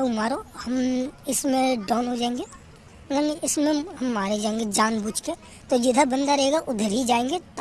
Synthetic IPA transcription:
umaːɾohɐmɪsmẽɖɔːnɦod͡ʒaːẽŋɡeː | naniɪsmẽɦɐmːaːɾed͡ʒaːẽːŋɡed͡ʒaːnbuːt͡ʃkeː | t̪od͡ʒɪd̪ʱabɐ̃nd̪aɾɐɦeːɡaʔʊd̪ʱəɾɦid͡ʒaːẽːŋɡet̪

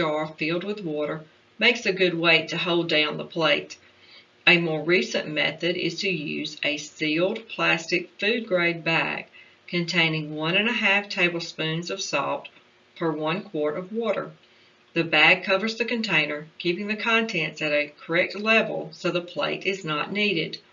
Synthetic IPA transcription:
ɑɹfilˠd̚wɨðwɔɾə˞ | meɪksɨɡʊd̚weɪɾɨɦoʊlˠdãʊ̃nðəpʰl̥eɪt | ɨmɔɹɹisɨ̰̃nmɛ̰θɨɾɪ̰z̥tʰɨjʉ̰zɨsilˠd̚pʰl̥æstɨkfʉd̚ɡɹeɪd̚bæ̰ɡ̥̚ | kʰɨ̃ntʰẽɪ̃nɪ̃ŋwʌ̃ñɨ̃nɨɦæftʰeɪbl̩ˠspʉ̃nzʌv̥sɑ̰f̚t | fə˞wʌ̃nkʰw̥ɔɹɾʌvwɔɾə̰˞ | ðɨbæɡ̚kʰʌvə˞zðɨkɨ̃ntʰẽɪ̃nə˞kʰipɪ̃ŋðɨkʰɑ̃ntʰɛ̃nsɨɾɨkʰə˞ɛk̚tˡlɛvl̩ˠsoʊðəpʰl̥ḛɪɾɨznəʔⁿniɾɪd̥

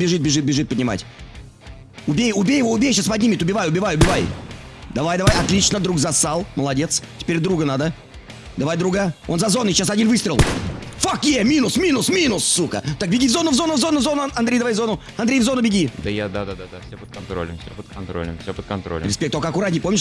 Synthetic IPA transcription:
bʲɪʐɨt̪̚bʲɪʐɨt̪̚bʲɪʐɨt̪̚pədʲnʲɪma̰tʲ | ʊbʲejʊbʲejɪvoʊbʲejɕaspɐdʲnʲimʲɪt̪ʲʊbʲɪvajʊbʲɪvajʊbʲɪvajd̪ɐvajd̪ɐvajɐt̪lʲit͡ɕnəd̪ɾuɡzɐst̪alˠməlˠɐdʲe̞t̪stʲɪ̥pʲeɾʲd̪ɾuɡənad̪ə | d̪ɐvajd̪ɾuɡao̞̰nzɐzo̞nːɨɕasɐdʲinvɨst̪ɾʲɪlˠfakjemʲinʊsmʲinʊsmʲinʊsːukə̰t̪ak̚bʲɪɡʲivzo̞nʊvzonəvzo̞nːʊvzonʊɐnd̪ɾʲejd̪ɐvajvzo̞nʊ | ɐnd̪ɾʲejvzo̞nʊbʲɪɡʲid̪əjad̪ad̪ad̪ad̪afsʲopət̪̚kɐnt̪ɾo̰lʲɪ̰mfsʲopət̪̚kɐnt̪ɾo̰lʲə̰mfsʲopət̪̚kɐnt̪ɾo̰l̰ʲɾʲɪspʲekt̪okəɐkʊɾat̪nʲɪpo̞mʲɪʂ

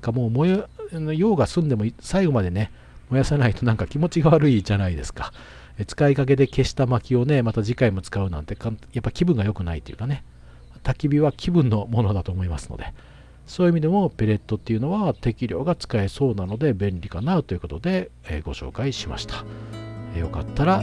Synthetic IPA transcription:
kamo̞ːmojnojo̞ːɡasɨ̃nd̪e̞mo̞isaiɡo̞mad̪e̞ne̞ | mo̞jasenait̪o̞nãŋkakʲimo̞t͡ɕiɡaβaɾɯ̟id͡ʑanaid̪e̞̰sɨ̥kḁ | et͡sɨ̥kaikak̬e̞d̪e̞ke̞ɕi̥t̪amakʲio̞ne̞mat̪ad͡ʑikaimo̞t͡sɨ̥kaɯ̟nã̰nt̪e̞kajapːaɾʲi̥kʲibɯ̟̃ŋɡajo̞kɯ̟nait̪oejɯ̟kane̞ | t̪akʲibʲiβakʲʰibɯ̟̃nːo̞mo̞no̞d̪at̪o̞ːmo̞imasɨ̥no̞̰d̪e̞ | so̞ːjiɯimʲid̪e̞mo̞pe̞ɾe̞t̪ːo̞t̪ːe̞iɯ̟no̞βat̪e̞kʲiɾʲo̞̰ːɡat͡sɨ̥kae̞so̞ːnano̞d̪e̞bẽ̞nɾʲikanaɯ̟t̪o̞jiɯ̟ko̞t̪o̞d̪e̞̰ɡo̞̰ɕo̞̰ːkaiɕima̰ɕi̥t̪ʰḁejo̞ka̰t̪ːaɾa

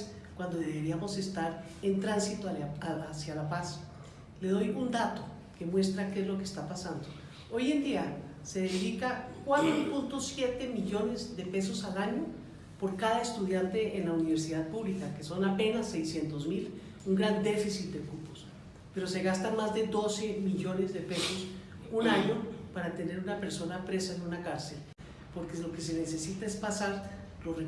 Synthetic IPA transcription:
s | kwand̪o̞ðe̞eβe̞ɾiamo̞se̞st̪aɾ | ent̪ɾansit̪oaasjalapas | le̞ð̞o̞jund̪at̪o̥ | ke̞mwe̞st̪ɾakezlo̞kest̪apasand̪o | o̞je̞nd̪ia | se̞ðeðikakwat̪ɾopunt̪o̞sje̞t̪e̞miʎo̞ne̞zðe̞pe̞so̞salaɲo̞ | poɾkaðaest̪uðjant̪e̞ʔeːnlauniβe̞ɾs̬iðaðpuβlikakeso̞nape̞nasːe̞jsje̞nt̪o̞zmil | uŋɡɾand̪e̞fisit̪̚d̪ekupo̥s | pe̞ɾo̞se̞ɣast̪anmazðeðo̞se̞miʝo̞ne̞zðe̞pe̞so̞s | unaɲo̞paɾat̪e̞ne̞ɾunape̞ɾso̞napɾe̞saenũnakaɾse̞l | po̞ɾkelo̞ke̞s̬e̞ne̞se̞sit̪ae̞spasaɾ | loe

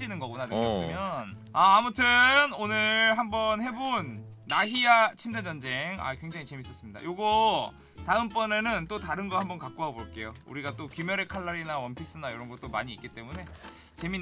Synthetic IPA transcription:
inɯnɡʌɡunaneɡʌs͈ɯmjʌn | aːmutʰɯnonɯɭɦambʌnhe̞bonː | aɦiat͡ɕʰimdʌnd͡ʑʌnd͡ʑe̞ŋa̰kweŋd͡ʑaŋit͡ɕe̞mis͈ʌs͈ɯmɲida̰joɡʌ | taɯmp͈ʌne̞nɯnt͈otaɾɯnɡʌhambʌnkak̚k͈oɦaboɭk͈e̞joṵɾiɡat͈okumjʌɾe̞kʰaɭːaɾinawʌnpʰis͈ɯnaiɾʌnɡʌt͈oma̰ɲiːk͈it͈e̞mune̞ | t͡ɕe̞mi

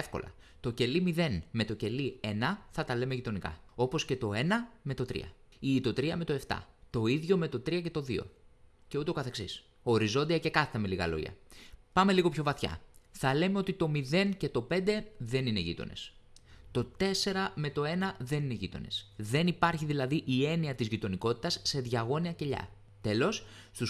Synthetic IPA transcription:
fko̞̰lɐ̰ | t̪o̞ce̞limiðe̞nme̞t̪o̞ce̞lie̞nɐθɐt̪ɐle̞meʝit̪o̞nikɐ̰o̞po̞sce̞t̪o̞e̞nɐme̞t̪o̞t̪ɾḭɐ̰ | it̪o̞t̪ɾiɐme̞t̪o̞e̞ft̪ɐ̰t̪o̞iðʝo̞me̞t̪o̞t̪ɾiɐce̞t̪o̞ðio̞̰ce̞ut̪e̞okɐθe̞ksis | o̞ɾizo̞nd̪iɐce̞kɐθiθɐmeliɣɐ̰lo̞̰ʝɐ̰pɐme̞liɣo̞pço̞vɐθçɐ̰θɐle̞me̞o̞t̪it̪o̞miðe̞nce̞t̪o̞pe̞nd̪e̞ðe̞nine̞ʝḭt̪o̞̰ne̞̰st̪o̞t̪e̞se̞ɾɐme̞t̪o̞e̞nɐðe̞nine̞ʝit̪o̞̰ne̞̰sðe̞nipɐɾçiðilɐðiʔie̞niɐt̪izʝit̪o̞niko̞t̪i̥t̪ɐsːe̞ðʝɐɣo̞niɐce̞ʎɐ̰ | t̪e̞lo̞sst̪us

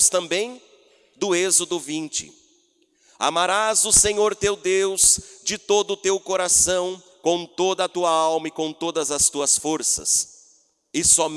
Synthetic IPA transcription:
st̪ɐ̃mbẽj̃ | d̪ʊezʊd̪ʊvĩnt͡ʃɪ̰ | a̰maɾazʊseɲoɾt̪ewd̪ewz̥d͡ʒɪt̪od̪ʊt̪ewkoɾasɐ̃w̃ | kõw̃t̪od̪ɐːt̪uɐawmɐɪkõw̃t̪od̪ɐzɐst̪uɐsfoɾsɐ̰s | ɪsɔm

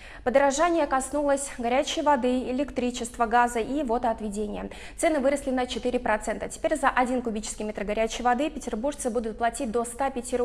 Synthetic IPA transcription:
pəd̪əɾɐʐanʲɪjəkɐsnulˠəsʲɡɐɾʲæt͡ɕɪjəvɐd̪ɨɪlʲɪkt̪ɾʲit͡ɕɪst̪vəɡazəʔivo̞t̪əɐt̪vʲɪdʲenʲɪjə | t̪sɛnɨvɨɾəsʲlʲɪnət͡ɕɪt̪ɨɾʲɪpɾɐt̪sɛnt̪ətʲɪ̥pʲeɾʲzəʔɐdʲinkʊbʲit͡ɕɪ̥skʲɪjmʲet̪rɡɐɾʲæt͡ɕɪjvɐd̪ɨpʲɪtʲɪrburʂt̪sɨbud̪ʊt̪̚plˠɐtʲit̚ʲd̪o̞st̪apʲɪtʲɪɾ

